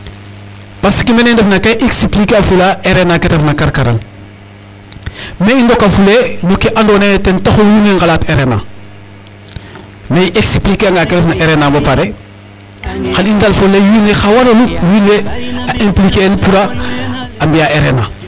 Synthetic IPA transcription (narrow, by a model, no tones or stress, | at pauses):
pasi̥kimenendefnakaiʔeksiplikeafulaʔeɾenaketefnakaɾkaɾa̰l | meindokafulenukiʔandonetentaxojuneŋɡalateɾena̰ | meiʔeksiplikeaŋɡaketefnaʔeɾenambapaɾe | xalindalfolːejunexawanaluwilːeaʔimplikːlpuɾaː | mbijaeɾena